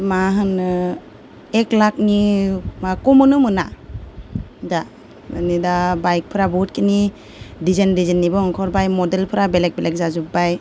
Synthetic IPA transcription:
maɦɯnɯ | eklak̚nimakɔmɯnɯmɯna | da | anidabajk̚pʰɯɾabɔt̚kini | dizendizenːibɯŋkʰɔɾbajmɔdelpʰɯɾabelek̚belek̚zazubaj

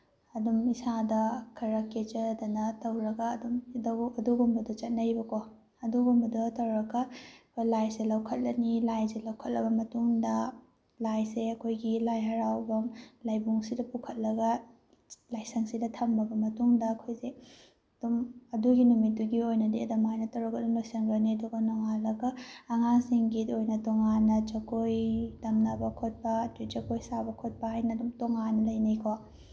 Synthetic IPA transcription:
ɐdumisadɐkʰɐɾɐket͡ʃɐdɐnɐtɐwɾɐɡɐːdumdɐɐduɡumbɐdut͡ʃɐt̚nɐjbɐko | ɐduɡumbɐdutɐwɾɐɡɐkʰojlajselɐwkʰɐt̚lɐnilajselɐwkʰɐt̚lɐbɐmɐtuŋdɐ | lajseɐkʰojɡilajɦɐɾawbɐmlajbuŋsidɐpukʰɐt̚lɐɡɐ | lajsɐŋsidɐtʰɐmbɐbɐmɐtuŋdɐːkʰojse | d̥umɐduɡinumitːuɡiojnɐdiɐdɐmajnɐtɐwɾɐkɐdunojsɐŋɡɐniɐduɡɐnoŋalɐɡɐːŋaŋsiŋɡidojnɐtoŋanːɐt͡ʃɐkojtɐmnɐbɐkʰot̚pɐtut͡ʃɐkojsabɐkʰot̚pɐhajnɐdumtoŋanːɐlɐjnɐjkʰwa

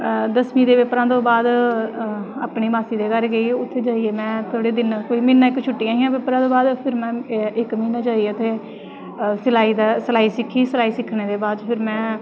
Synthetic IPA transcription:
d̪əsmĩːd̪eːʋepɾãːt̪õːbaːd̪ | a̰ːpɳiːbaːsiːd̪eːkəɾɡəiːʊt̪ʰːeːd͡ʒaːieːmɛ̃ːt̪ʰoːɽeːd̪ɪnkoːiːmɪːnːãːɪkt͡ʃʰʊʈːiːãːɦiːjãːbɪpɾãːt̪õːbaːd̪pʰɪɾmɛ̃ːɪkmiːnãːd͡ʒaːieʊt̪ʰeː | səlaːiːd̪aːsəlaːiːsɪkʰːiːsəlaːiːsɪkʰːɳeːd̪eːbaːd̪pʰɪɾmɛ̃ː

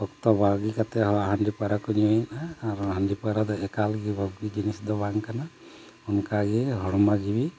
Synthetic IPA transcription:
ɔkt̪ɔbaɡikat̪ɛɦɔaɦandipaɾakɔnijɔjnaːɾuaɦandipaɾad̪ɔɛkalɡibʱɔbɡid͡ʒinisd̪ɔbaŋkana | unkaɡiɦɔɽɔmaɡibi

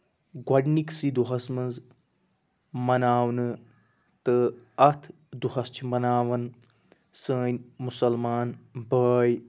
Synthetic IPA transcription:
ɡɐɖniksid̪uɦɐsmɐnz | mɐnaːwnɨ | t̪ɨɐt̪ʰ | d̪uɦɐst͡ʃʰimɐnaːʋɐn | səːnʲmusɐlmaːnbəːj

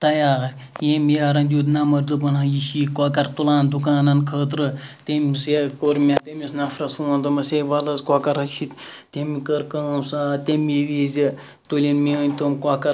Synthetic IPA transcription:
t̪ɐjaːɐɾʲ | jemiaɾɐnd̪ʲjud̪nɐmɐɾd̪ɨpɐnãjiʃiːkakɐɾt̪ulaːnd̪ukaːnɐnkʰəːt̪̬ɾɨt̪emisekoɾmʲat̪emisnɐfɾɐsfuːnd̪ɨmɐseʋɐlɐzkakɐɾɐt͡ʃʰit̪t̪ʲemikɐɾkɐːmsaːt̪ʲemiʋizʲi | t̪ulʲinmiənʲt̪omkwakɐɾ

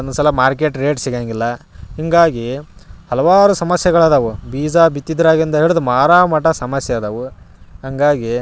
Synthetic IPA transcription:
ond̪usɐlɐmaːɾk̬eʈɾeːʈsiɡaːŋɡilːɐɦiŋɡaːɡihɐlɐʋaːɾusɐmɐsjɐɡɐɭɐːd̪ɐʋubiːd͡ʒabit̪ːid̪ɾaːɡind̪ɐɦeːɭud̪umaːɾaːmɐʈɐsɐmɐsjɐd̪ɐʋu | ɦɐŋɡaːɡi

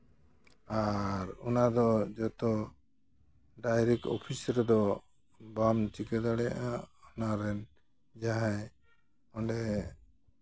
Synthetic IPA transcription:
aɾɔnad̪ɔd͡ʒɔt̪ɔ | ɖajɾɛk̚ʈɔ̰pʰisɾɛd̪ɔ | bamt͡ʃikɛd̪aɽɛja̰ʔaɔnaɾɛn | d͡ʒaɦaj | ɔɳɖɛ

